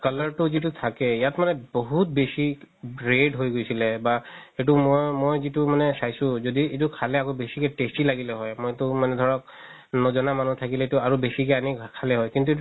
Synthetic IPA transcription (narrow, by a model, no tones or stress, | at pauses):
kalaɹtʊzit̬utʰakɛjatmanɛboɦut̚besiɹedɦojɡojsilɛbaet̬ʊmɔjmojzitʊmanɛsajsʊ̃zodiet̬ukʰalɛakobesikɛtestilaɡilɛɦɔjmojtʊmanɛd̪ʱɔɹɔk̚ | nɔzɔnamanut̪ʰakilɛetʊaɹubesikɛanikʰalɛɦɔjkint̬ue